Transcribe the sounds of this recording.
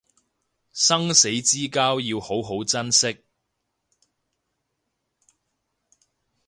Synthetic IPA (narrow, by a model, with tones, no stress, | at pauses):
sɐ˥ŋse˨˥jt͡siː˥kaː˥wjiː˧who˨˥wɦo˨˥wt͡sɐ˥nsɪ˥k̚